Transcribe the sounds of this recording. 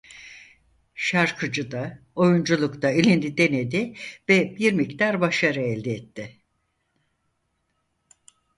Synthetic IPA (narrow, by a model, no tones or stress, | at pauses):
ʃaɾkʰɯd͡ʒɯd̪a | o̞jund͡ʒulˠukt̪ailʲind̪id̪e̞ned̪ɪvɛbiɾmict̪aɾbaʃaɾɯɛlʲd̪ɛɛt̪ːɪ